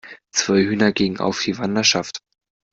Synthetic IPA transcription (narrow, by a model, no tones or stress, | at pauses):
t͡sv̥aɪhyːnɐɡɪŋəŋ̩ʔa̰ʊfd̥iːvandɐʃaft